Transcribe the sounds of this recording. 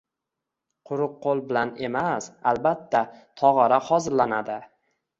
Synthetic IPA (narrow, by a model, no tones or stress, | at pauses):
qʰʊɾʊq̚ʰːolˠbɪlane̞masalbat̪ʰːat̪ʰɒʁɑɾahɒzɪlːanad̪ɪ